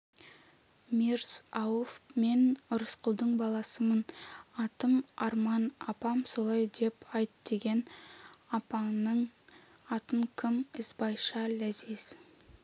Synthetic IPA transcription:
mirz̥ɑwofme̞nʊɾəsqʰəlˠd̪əɴbɑlˠɑsəmənɑt̪əmɑɾmɑnɑpɑmso̞lˠɑjd̪e̞pɑjt̪d̪̥e̞ɡʲe̞nɑpɑnəɴ | ɑt̪əmkʲʰɪmɪsbɑjʃɑlæziz̥

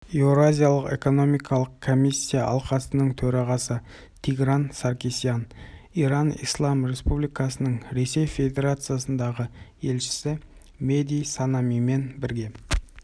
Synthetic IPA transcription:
eɾoazʲijalˠəqe̞̰ko̞no̞mijkʰɑlˠəqkʰːomisʲːijaʔɑ̰lˠqɑsənəɴt̪ʰɵɾɑʁɑsə | t̪ʰiɡɾansaɾkʲisjan | iɾanḭjslˠɑmɾe̞spublijkɑsənəɴɾe̞se̞jfe̞d̪ʲe̞ɾat̪sɨjasənd̪ɑʁəe̞lʃɪ̥sɪ | me̞d̪ʲijsanamime̞nbɪɾɡʲe̞

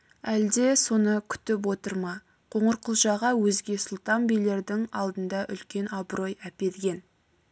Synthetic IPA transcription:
æld̪e̞so̞nəkʲʰʏ̥t̪ɪp̬wo̞t̪əɾmɑ | qʰoɴəɾqʰəlˠʒɑʁɑwɵzɡʲe̞sʊlˠt̪ɑnbijle̞ɾd̪ɪŋɑlˠd̪ənd̪ɑʔʏlkʲe̞nɑbɾo̞jæpe̞d̪ɪɡʲe̞n

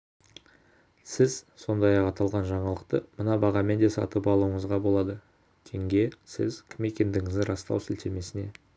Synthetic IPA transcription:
sɪzso̞nd̪ɑjɑqɑt̪ɑlˠʁɑnʒɑɴɑlˠəqt̪əmənɑbɑʁɑme̞nd̪e̞sɑ̰t̪əpɑlˠuəɴəzʁɑbo̞lˠɑd̪ə | kʲʰe̞ŋɡʲe̞sɪzkʲʰɪme̞kʲe̞nd̪ɪŋɪzd̪ɪɾɑst̪ɑ̰wsɪlt̪e̞me̞sɪne̞

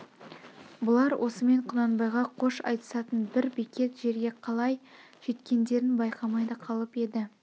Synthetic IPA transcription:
bʊlˠɑɾwʔo̞səme̞ɴqʰʊnɑnbɑjʁɑqʰo̞ʃɑ̰jt̪ə̥sɑt̪ənbɪɾbikʲe̞t̪ʒe̞ɾɡʲe̞qʰɑlˠɑj | ʒ̥e̞t̪kʲe̞nd̪e̞ɾɪnbɑjqʰɑmɑjd̪ɑqʰɑlˠəpe̞d̪ɪ

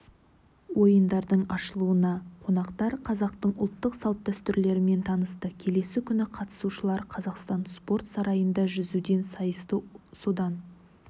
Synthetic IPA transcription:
wo̞jənd̪ɑɾd̪əɴɑʃəlˠuənɑqʰo̞nɑqt̪ɑɾqʰɑzɑq̚t̪əɴʊ̰lˠt̪ːəqsɑlˠt̪̚d̪æst̪ʏɾle̞ɾɪme̞nt̪ʰɑnəst̪əkʲʰe̞le̞sɪkʲʰʏnɪqʰɑt̪ə̥suʃəlˠɑɾqʰɑzɑqst̪ɑnspo̞rt̪sɑɾɑjənd̪ɑʒʏzud̪e̞nsɑjəst̪əsod̪ɑn

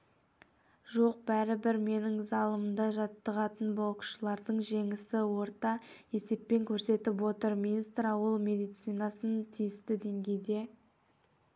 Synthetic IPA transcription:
ʒo̞q̚bæɾɪbɪɾme̞nɪŋzɑlˠəməmd̪ɑʒɑt̪ːəʁɑt̪ənbolˠqə̥ʃəlˠɑɾd̪əɴʒe̞ŋɪsɪwo̞ɾt̪ɑe̞se̞pːe̞ŋkʲʰɵɾse̞t̪ɪpwo̞t̪əɾmʲinist̪ɾɑwəlˠmʲe̞d̪ijt̪sijnɑsənt̪ʰijɪst̪ɪd̪e̞ŋɡʲe̞jd̪e̞

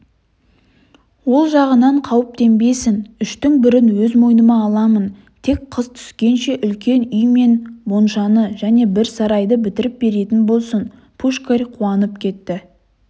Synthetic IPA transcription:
wo̞lˠʒɑʁənɑɴqʰɑwəp̚t̪ʰe̞mbe̞sɪnʏʃt̪ɪŋbɪɾɪnwɵzmo̞jnəmɑːlˠɑmən | t̪ʰe̞k̚qʰəz̥t̪ʰʏ̥skʲe̞nʃe̞ʔʏlkʲe̞nʏjme̞nbonʃɑnəʒæne̞bɪɾsɑɾɑjd̪əbɪt̪ɪɾɪp̚be̞ɾe̞t̪ɪnbo̞lˠsən | pʰuʃkarʲqʰuɑnəp̚kʲʰe̞t̪ːɪ

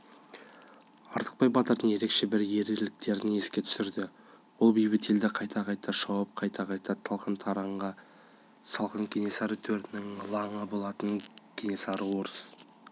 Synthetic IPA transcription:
ɑɾt̪ə̥q̚pɑjbɑt̪əɾd̪əŋje̞ɾe̞kʃe̞bɪɾje̞ɾeɾlɪk̚t̪e̞ɾɪe̞skʲe̞t̪ʰʏ̥sɪɾd̪ɪ | wolˠbijbɪt̪ʰe̞ld̪ɪqʰɑjt̪ʰɑqʰɑjt̪ʰɑʃɑwəp̚qʰɑjt̪ʰɑqɑjt̪ɑt̪ʰɑlˠqʰənt̪ʰɑɾɑɴʁɑ | sɑlˠqəŋkʲʰene̞sɑɾət̪ʰɵɾt̪ɪnɪŋlˠɑɴəbo̞lˠɑt̪əŋkʲʰene̞sɑɾəwo̞ɾəs

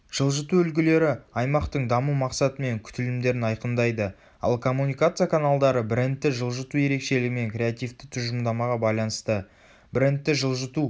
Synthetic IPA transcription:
ʒ̥əlˠʒət̪uʏlɡʲɪle̞ɾɪɑjmɑqt̪əɴd̪ɑmumɑqsɑt̪əme̞ŋkʲʰʏ̥t̪ɪlɪmd̪e̞ɾɪnɑjqənd̪ɑjd̪ə | ɑ̰lˠkʰo̞mːunijkat̪sɨjakʰanalˠd̪ɑɾəbɪɾent̪ːɪʒəlˠʒət̪uje̞ɾe̞kʃe̞lɪɡʲɪme̞ŋkɾʲe̞at̪ijft̪ɪ̥t̪ʰʊʒəmd̪ɑmɑʁɑbɑjlˠɑnəst̪ə | bɪɾent̪ːɪʒəlˠʒət̪u

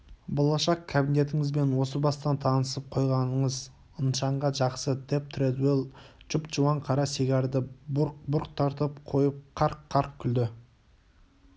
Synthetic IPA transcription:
bolˠɑʃɑqkʲʰːabine̞t̪ɪŋɪzbe̞nwo̞səbɑst̪ɑnt̪ʰɑnəsəp̚qʰo̞jʁɑnəɴəz | ənʃɑɴʁɑʒɑqsəd̪e̞p̚t̪ʰɾed̪welˠʒʊpt͡ʃuwɑɴqʰɑɾɑseɡʲɑɾd̪ɪbʊɾq̚bʊɾqt̪ʰɑɾt̪əpqʰo̞jəp̚qʰɑɾqʰːɑɾq̚kʲʰʏld̪ɪ

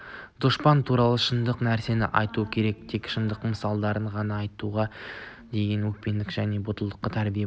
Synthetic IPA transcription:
d̪̥oʃpɑnt̪ʰuɾɑlˠəʃənd̪əqnæɾse̞nɪʔɑjt̪uəkʲʰe̞ɾe̞k̚t̪ʰekʃənd̪əqməsɑlˠd̪ɑɾəɴʁɑnɑːjt̪uʁɑ | d̪e̞ɡʲe̞nwɵk̚pe̞nd̪ɪkʒæne̞bʊt̪əlˠd̪əqːət̪ʰæɾbije

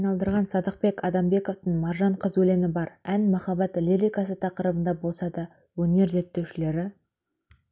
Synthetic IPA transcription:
ɑjnɑlˠd̪əɾʁɑnsɑd̪əq̚be̞kʰɑd̪ɑmbe̞ko̞ft̪əɴmɑɾʒɑɴqʰəzwɵle̞mɪbɑɾænmɑχɑbɑt̪leɾʲijkɑs̬ət̪ʰɑqəɾəbənd̪ɑbo̞lˠsɑd̪ɑ | wɵne̞ɾze̞t̪ːe̞wʃɪle̞ɾɪ

